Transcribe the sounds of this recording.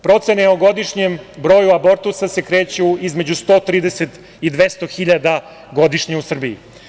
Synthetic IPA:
pɾo̞t̪se̞neoɡo̞d̪iʂɲembɾo̞ːjuabo̞ɾt̪usase̞kɾe̞ːt͡ɕuizme̞d͡ʑust̪o̞ːt̪ɾiːd̪eset̪ | id̪ʋest̪o̞xiʎad̪a | ɡo̞d̪iʂɲeusr̩biḭ

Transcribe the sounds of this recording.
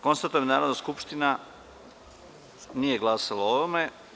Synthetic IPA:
ko̞nst̪at̪ujemnaːɾonaskupʃt̪ina | nije̞ɡlˠaːsalaoʋome

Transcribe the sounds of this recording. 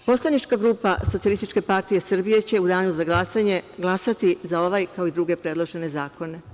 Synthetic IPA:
po̞slˠanit͡ʃkaɡɾuːpaso̞t̪ialist̪it͡ʃke̞paɾt̪ije̞srbije̞t͡ɕe̞ud̪aːɲuzaɡlˠasaɲe̞ɡlˠasat̪izao̞ʋajkaoid̪ɾuɡe̞pɾe̞dlˠo̞ʒe̞ne̞zaːko̞ne̞

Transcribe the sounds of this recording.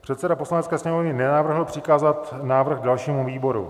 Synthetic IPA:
pr̥ɛt̪sɛdaposlanɛtt͡skɛːsɲɛmovnɪnɛnavr̩ɦl̩pr̥ɪkaːzat̪naːvr̩xdalʃiːmuviːbo̞ɾṵ

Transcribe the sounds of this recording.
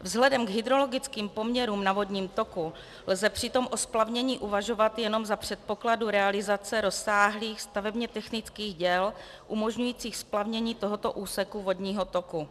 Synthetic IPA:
vzɦlɛdɛmɡɦɪd̪ɾo̞lo̞ɡɪt͡skiːmpo̞mɲɛɾuːmnavo̞dɲiːmt̪o̞ku | lzɛpr̝̥ɪt̪o̞mʔo̞splavɲɛɲiːʔuvaʒo̞vat̪jɛno̞mzapr̝̥ɛt̪̚po̞kladuɾɛalɪzat͡sɛɾo̞sːaːɦliːxst̪avɛbɲɛt̪ɛxnɪt͡skiːɣɟɛl | ʔumo̞ʒɲujiːt͡siːxsplavɲɛɲiːt̪o̞ɦo̞t̪o̞ʔuːsɛkuvo̞dɲiːɦo̞t̪oku

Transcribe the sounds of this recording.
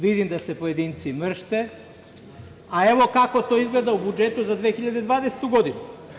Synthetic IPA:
ʋid̪imd̪ase̞po̞je̞d̪iːnt̪simr̩ʃt̪e | aeʋo̞kako̞t̪oːizɡle̞d̪aubud͡ʒe̞t̪uzad̪ʋeːxiʎad̪ed̪ʋaːd̪ese̥t̪uɡo̞d̪inu

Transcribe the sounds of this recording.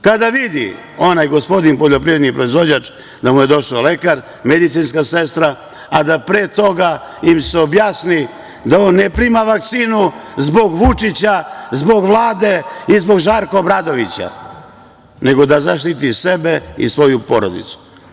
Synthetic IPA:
kad̪aʋid̪ḭ | o̞najɡo̞spo̞d̪inpolʎo̞pɾiːʋɾed̪nipɾo̞izʋo̞d͡ʑat͡ʃ | d̪amuje̞d̪o̞ʃale̞kaɾ | me̞d̪it̪siːnskase̞st̪ɾa | ad̪apɾeːt̪o̞ɡaimse̞o̞bjaːsni | d̪ao̞nːepɾimaʋak̚t̪siːnuzbo̞ɡʋut͡ʂit͡ɕazbo̞ɡʋlˠaːd̪e̞izbo̞ɡʒaɾko̞bɾad̪o̞ʋit͡ɕa̰ | ne̞ɡo̞d̪azaʃt̪it̪ise̞be̞ḭsʋo̞jupo̞ɾo̞̰d̪ḭt̪su̥

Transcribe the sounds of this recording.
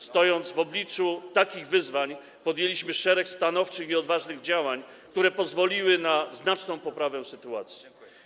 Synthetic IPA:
st̪ɔjɔnd̪zvɔblʲit͡ʂut̪akʲiɣvɘzvaɲ | pɔd̪jelʲiɕmɘʂɛɾɛkst̪anɔft͡ʂɘxiɔd̪vaʐnɘɣd͡ʑawaɲ | k̚t̪uɾɛpɔzvɔlʲiwɘnaznat͡ʂnɔ̃w̃pɔpɾavɛ̃sɘt̪uat̪sʲi̥

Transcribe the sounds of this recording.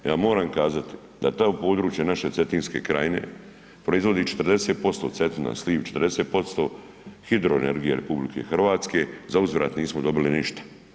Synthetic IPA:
ja̰ːmo̞ːɾamkaːzat̪i̥ | d̪a̰t̪oːpo̞ːd̪ɾuːt͡ʃjenaʃe̞t̪se̞t̪iːnskḛkɾa̰jine̞̰ | pɾo̞izʋo̞d̪iːt͡ʃe̥t̪r̩d̪e̞set̪̚po̞st̪o̞ːt̪set̪ina̰sliːʋt͡ʃet̪ɾd̪eseːt̪̚po̞st̪o̞ː | xid̪ɾoḛne̞̰ɾɡijeɾe̞̰publike̞̰xrʋaːt̪ske̞zauzʋɾa̰ːt̪niːsmod̪o̞biliniʃt̪ḁ

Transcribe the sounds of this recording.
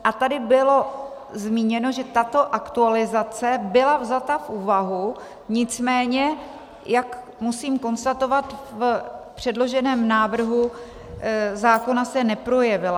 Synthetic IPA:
ʔat̪adɪbɪlo̞ | zmiːɲɛno̞ʒɛt̪at̪o̞ʔakt̪ualɪzat͡sɛbɪlavzat̪afʔuːvaɦu | ɲɪt͡smɛːɲɛ | jak | musiːmko̞nst̪at̪o̞vat̪vpr̝̥ɛdlo̞ʒɛnɛːmnaːvr̩ɦu | zaːko̞nasɛnɛpɾo̞jɛvɪla

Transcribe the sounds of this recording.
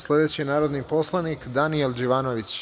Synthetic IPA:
sle̞d̪e̞t͡ɕinaːɾo̞d̪nipo̞slˠanikd̪anielˠd͡ʑiʋaːnoʋit͡ɕ

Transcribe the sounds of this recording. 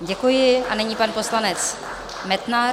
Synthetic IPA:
ɟɛkujɪʔanɛɲipanpo̞slanɛt͡s | mɛt̪na

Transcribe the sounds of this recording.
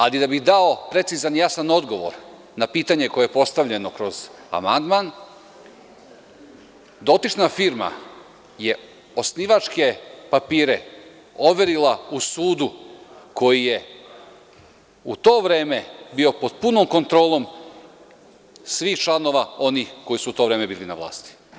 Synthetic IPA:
alid̪abixd̪ao̞pɾe̞t̪sizanjasano̞d̪ɡo̞ʋo̞̰ɾ | napiːt̪aɲe̞ko̞jejepo̞st̪aʋʎe̞no̞kɾo̞z̥a̰ma̰nd̪man | d̪o̞t̪it͡ʃnafiɾma̰ | je̞ | o̞sniʋat͡ʃke̞papiːɾe̞ | o̞ʋe̞ɾilausuːd̪uko̞jije̞ | ut̪o̞ːʋɾe̞ːme̞bio̞po̞d̪̚puno̞mko̞nt̪ɾo̞ːlˠo̞m | sʋixt͡ʃlˠano̞ʋao̞nixko̞jisuut̪o̞ːʋɾe̞ːme̞biːlina̰ʋlˠa̰ːst̪i̥

